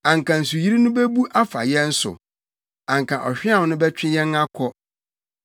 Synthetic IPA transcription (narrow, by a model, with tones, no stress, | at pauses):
ã˨ŋ˨kʰã˨n̩˨su˨ji˦ɾi˦nʊ̃˦be˦bu˦ʔa˦fa̰˨jɛ̃˦n̩˦sʊ̰˨ | ã˨ŋ˨kʰã˨ʔɔ˨ɕᶣɪ˦ã˦˨wnʊ̃˦bɛ˦t͡ɕᶣɪ˦jɛ̃˦na˦kʰɔ˦